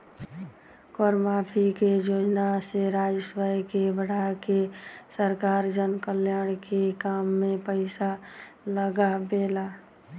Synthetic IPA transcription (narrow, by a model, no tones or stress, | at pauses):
kɔːɾmaːpʰikejoːd͡ʒnaseɾaːd͡ʒəswajkebəɽ̤akesəɾkaːɾd͡ʒənkəljaːɽ̃kekaːmːẽpəɪsa | ləɡabeːlaː